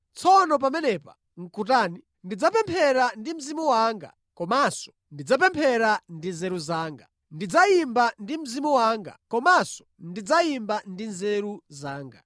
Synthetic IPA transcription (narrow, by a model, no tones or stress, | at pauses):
t͡sʰɔnɔp̬amɛnɛpa | ŋ̩kutaːni | ndid͡zapɛmpʰɛɾandim̩zimuwaŋɡa̰ | kɔmasɔ̥ | ndid͡zap̬ɛmpʰɛɾandinzɛɾuzaːŋɡa | ndid͡zaimbandim̩zimuwaŋɡa̰kɔmasɔ̥ | ndid͡zaimbandinzɛɾuzaːŋɡa̰